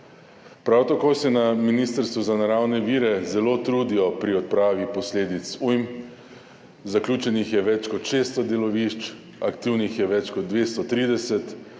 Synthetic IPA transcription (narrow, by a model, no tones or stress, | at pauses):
pɾawt̪akoːsɛnaminiːst̪əɾst̪ʋuzanaɾawnɛʋiːɾɛzɛloːt̪ɾuːd̪iɔpɾiɔt̪̚pɾaːʋipɔsleːd̪it̪sujm | zaklʲjuːt͡ʃɛnixjɛʋɛt͡ʃkɔt̪ʃeːst̪ɔd̪elɔʋiʃt͡ʃ | a̰kt̪iwnixjɛʋɛt͡ʃkɔd̪̚d̪ʋeːst̪ɔt̪ɾiːd̪ɛsɛt̪